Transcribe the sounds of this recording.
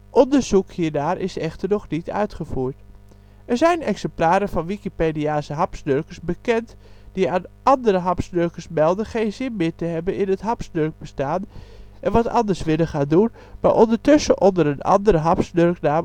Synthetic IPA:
ʔɔndəɹzukhiːnaːɾʔɪsɛxtərnɔχnitʰœ̰ɥtχəfuːɹt | ʔɛɹzɛjnɛksɛmplaːɾəfɑnʋikipediaːsəɦɑpsnørkəsbəkɛnt | d̥iaːnʔɑndəɾəɦɑpsnørkəsmɛlˠdənχejnzɪnmɪːtəɦɛbənɪnətɦɑpsnørk̚bəstaːnʔɛnʋɑtɑ̰ndəɹsʋɪləχaːndun | ma̰ʔɔndətøsəʔɔndəɾənɑ̰ndəɾəɦɑpsnørknaː

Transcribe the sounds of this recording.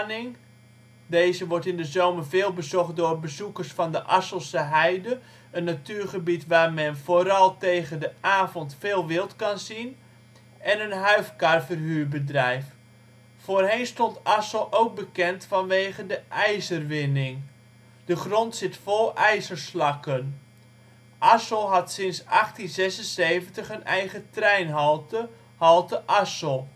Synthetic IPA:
nɪŋ | deːzəʋɔɹtɪndəzowmərveːlˠbəzɔχt̚dʊːrbəzukərsfɑndəʔɑsəlˠsəɦɛjdə | ənːatyːrχəbitʋaːrmɛnfoːɾɑlˠtejɣəndəʔaːvɔntfeːlˠʋɪlˠtkɑnzin | ʔɛnənɦœɥfkarfərɦyːbədrɛjf | foːrɦejnstontasəlˠʔowk̚bəkɛntfɑnʋejχəndəʔɛjzərʋɪnɪŋ | dəχrontsɪtfolˠʔɛjzərslɑkən | ʔasəlˠɦɑtsɪnsɑχtinzɛsənsejvəntəχənʔɛjχətrɛjnɦ | hɑlˠtəʔasəlˠ

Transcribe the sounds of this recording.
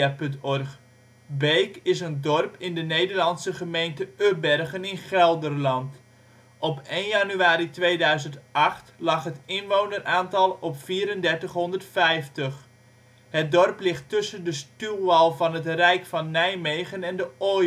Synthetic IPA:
apɵntɔrχ | bejkɪsəndɔrpɪndənejdərlɑnsəχəmejntəøbɛrɣənɪnχɛlˠdərlɑnt | ɔpejnjanyaːɾitʋejdœɥzəntʔɑχtlɑχɦətɪnʋownərʔaːntɑlˠɔpfiːɾəndɛrtəχɦɔndərtfɛjftəχ | hət̚dɔrplɪχtːɵsəndəstyʋɑlˠvɑnɦətrɛjkfɑnːɛjmejɣənɛndəo

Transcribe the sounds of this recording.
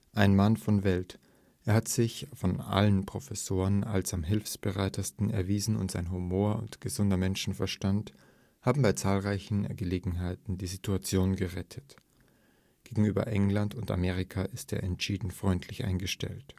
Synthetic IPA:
ʔaɪnmanfɔnvɛlt | ʔeːɐhatz̥ɪçfɔnʔa̰lənpʁ̥ofɛsoːʁəna̰lsamɦɪlfsb̥əʁaɪtʰɐstn̩ɛ̰ɐviːzn̩ʊ̰ntz̥aɪnɦumoːɐʊ̰ntɡ̥əzʊndɐmɛnʃn̩fɛɐʃtant | haːbm̩baɪt͡saːlʁaɪçn̩ɡəleːɡŋ̩ɦaɪtn̩diːzitʰuat͡sjoːnɡəʁɛtʰət | ɡ̥eːɡŋ̩yːbɐ̰ʔɛŋlantʊnta̰meːʁ̞ɪkʰaʔɪsteːɐʔɛntʃiːdn̩fʁ̥ɔʏntʰlɪçʔa̰ɪnɡəʃtɛ̰lt

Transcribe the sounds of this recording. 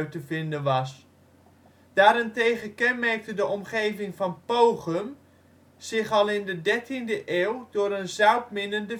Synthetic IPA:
ɥtəvɪndənʋɑs | d̥aːɾɪntejχəkɛnmɛɹk̚tədəʔɔmχejvɪŋvɑnpowχəm | z̥ɪχɑlˠɪndədɛɹtindəʔeːwdʊːɾənzœɥtmɪnəndə

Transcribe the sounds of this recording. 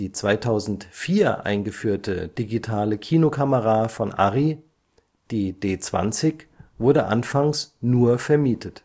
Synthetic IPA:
iːt͡sv̥aɪtʰaʊzn̩tfiːɐʔa̰ɪnɡəfyːɐtʰəd̥iɡitʰaːləkʰiːnokʰaməʁafɔnʔa̰ʁi | d̥iːd̥eːt͡sv̥a̰nt͡sɪçv̥ʊɐdəʔa̰nfaŋsnuːɐfɛɐmiːtʰət

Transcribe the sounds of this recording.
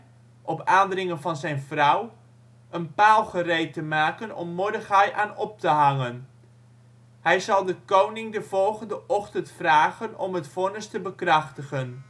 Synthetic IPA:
ʔɔpaːndrɪŋənvɑnzɛjnvrʌw | ʔənpaːlˠχərejtəmaːkənɔ̰mːɔɹdəχɑjʔaːnɔp̚təɦɑŋən | hɛjzɑlˠdəkownɪŋdəv̥ɔlˠχəndəʔɔχtəntfraːχənɔ̰mɦətfɔnəstəbəkrɑχtəχən

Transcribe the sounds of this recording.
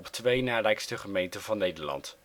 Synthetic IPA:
ɔptʋejnaːlɛjkstəχəmejntəvɑnːejdəlɑ̰nt

